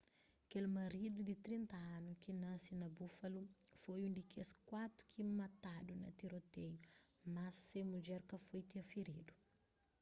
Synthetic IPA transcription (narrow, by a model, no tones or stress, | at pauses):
ɐkelmɐɾid̪ud̪it̪ɾĩnt̪ɐãnukinasinɐbufɐlufojũd̪ikeskwat̪ɾu̥kʰimɐt̪ad̪unɐ̰t̪iɾot̪ɛj | mɐsːemud͡ʒɛɾkɐfojt̪iɐfiɾid̪u